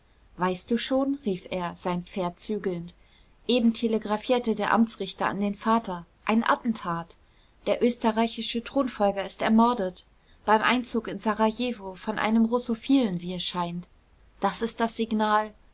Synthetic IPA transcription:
vaɪst̚d̥uːʃoːnʁiːfeːɐz̥aɪnpp͡feːɐtt͡syːɡl̩nt | ʔeːbm̩tʰeləɡʁafiːɐtədeːɐʔa̰mt͡sʁ̥ɪçtɐa̰ndeːnfaːtɐʔaɪnʔa̰tn̩tʰaːt | d̥eːɐʔøːstəʁaɪçɪʃətʁ̥oːnfɔlɡɐɪstɛɐmɔɐdət | b̥aɪmʔa̰ɪnt͡suːkɪnzaʁajeːvofɔnʔa̰ɪnəmʁosofiːlənviːɛsʃaɪnt | d̥asɪst̚d̥asz̥iɡnaːl

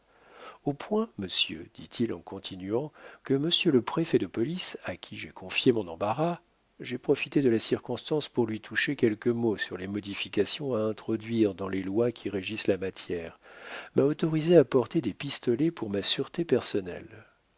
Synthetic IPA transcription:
opʰwɛ̃məsjø̰d̪̥it̪ʰilɑ̰̃kɔ̃t̪ʰinɥɑ̃kəməsjøləpχefɛd̪əpɔlisakʲʰiʒekʰɔ̃fjemɔ̃nɑ̃baʁa | ʒepχɔfit̪ed̪əlasiʁkɔ̃st̪ɑ̃spuʁlɥit̪ʰuʃekʲɛlkəmosyʁlemɔd̪ifikasjɔ̃aɛ̃t̪χɔd̪ɥiʁd̪ɑ̃lelwakʲʰiʁeʒislamat̪jɛːʁmaɔt̪ɔʁizeapɔʁt̪ed̪epist̪ɔlɛpuʁmasyʁt̪epɛʁsɔnɛ̰l

